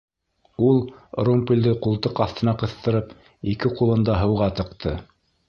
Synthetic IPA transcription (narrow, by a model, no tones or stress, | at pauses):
ulˠrumpilʲd̪ɘqulˠt̪ɤqɑθt̪ɤ̆nɑqɤ̆θt̪ɤ̆ɾɤp | ikɘqulˠɤ̆nd̪ɑɦɤ̆wʁɑt̪ɤ̆qt̪ʰɤ